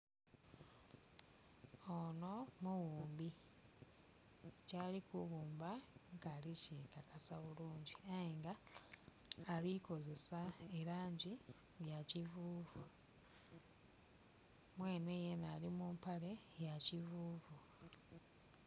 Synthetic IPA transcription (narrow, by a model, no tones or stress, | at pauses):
ono̞muwuːmbi | calikuβuːmbaŋɡalicekakasaβuluːɲɟiajeŋɡa | liko̞ze̞saeɾaːɲɟi | βjacivuːvu | mwe̞ːnejenalimumpale̞ | jacivuːvu